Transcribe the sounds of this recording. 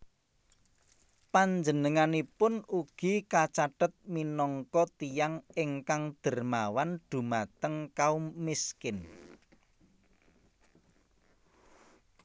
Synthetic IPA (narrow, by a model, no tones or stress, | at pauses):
paɲd͡ʒənəŋanipʊnuɡ̥i̤kat͡ʃaɖ̥ət̪̚minɔŋkɔt̪ijaŋɪŋkaŋd̪̥ə̤rmawand̪̥ṳmat̪əŋkaumiskɪn